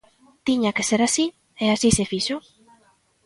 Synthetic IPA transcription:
t̪iɲakeseɾasi | easisefiʃo

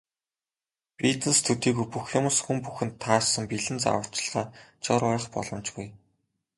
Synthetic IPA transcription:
pit̪n̆st̪ʰɵt̪iːɣujpuxjʊmʊ̆sxumpuxɘ̆nt̪ʰːaːsə̆mpiɮɘ̆nt͡sa̰wə̥̆t͡ɕ̆ɮʁ̥aːt͡ɕɔɾʊ̆ːχpɔ̰ɮɞ̆mt͡ɕpuj

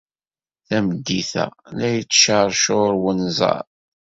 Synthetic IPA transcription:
θæməd̪ːiθæ̰læjət͡sːʃəɾˤʃoɾwənzˤɑ̰ɾ

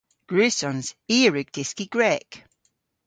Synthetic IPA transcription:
ɡ̥ɹʉːsɔ̃nz̥iːəɹʉɡ̚d̥ɪskiɡ̥ɹɛːk

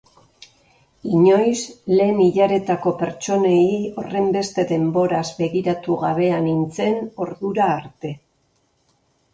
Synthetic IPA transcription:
iɲo̞jsle̞ːmiʎaɾe̞t̪ako̞pe̞ɾt͡ʃo̞neio̞re̞mbe̞st̪e̞ðe̞mbo̞ɾazbe̞ɣiɾat̪uɣaβe̞anint͡se̞no̞ɾðuɾaːɾt̪e̞

